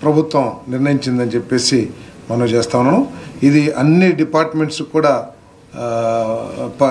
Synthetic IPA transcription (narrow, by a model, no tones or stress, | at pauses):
pɾɐbʱut̪ʋɐmniɾnɐjiɲt͡ʃind̪ɐnit͡ʃepːe̞ːsimɐnɐmt͡ʃeːst̪aːʋunːɐːnuid̪iɐnːiɖipaːɾʈmeɳʈskuːɽaː | p